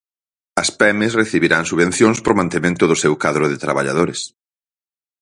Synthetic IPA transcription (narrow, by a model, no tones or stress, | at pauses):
ɐspɛmesreθiβiɾaŋsuβen̟θjõŋspɾomãnt̪emẽnt̪ʊðʊsewkaðɾʊðɪt̪ɾaβaʎa̰ðoɾes